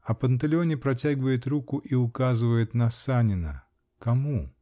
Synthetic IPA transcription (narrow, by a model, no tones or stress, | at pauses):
ɐpənt̪ɐlʲɪonʲɪpɾɐtʲaɡʲɪvəjɪt̪ɾukʊʔiʊkazɨvəjɪt̪nɐsanʲɪnə̰ | kɐmu